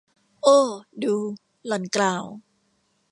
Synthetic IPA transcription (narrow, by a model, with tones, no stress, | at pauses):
ʔoː˧˩duː˧ | lɔ˨˩˦nklaː˧˩w